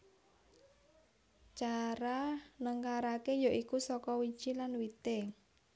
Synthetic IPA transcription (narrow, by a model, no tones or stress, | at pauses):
t͡ʃaɾanəŋkaɾakejaʔikusɔkɔwid̥ʒ̥ilanwit̪e